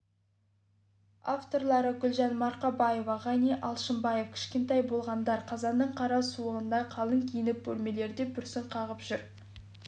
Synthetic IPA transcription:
a̰ft̪o̞ɾlˠɑɾəɡʲʏlʒɑnmɑɾqɑbɑje̞vɑʁɑneʔɑlˠʃəmbɑjefkʲʰɪ̥ʃkʲe̞nt̪ɑjbo̞lˠʁɑnd̪ɑɾqʰɑzɑnd̪əɴqʰɑɾɑsuəʁənd̪ɑjqʰɑlˠəŋkʲʰijɪnɪp̚bɵlme̞le̞ɾd̪e̞bʏɾsɪɴqʰɑʁəpʒ̥ʏɾ

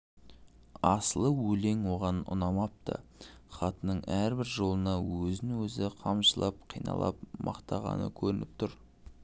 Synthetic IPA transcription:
ɑsəlˠəwɵle̞ŋwo̞ʁɑnʊ̰nɑmɑp̚t̪ə̰χɑt̪ənəɴæɾbɪɾʒo̞lˠənɑwɵzɪnwɵzɪqʰɑmʃəlˠʔɑp̚qʰijnɑ̰lˠɑ̰p̚mɑqt̪ɑʁɑ̰nə̰kʲʰɵɾɪnɪp̚t̪ʰʊɾ

